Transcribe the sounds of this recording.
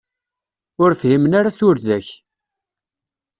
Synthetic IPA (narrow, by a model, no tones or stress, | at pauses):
ʊɾfhimənaɾaθʊɾðæç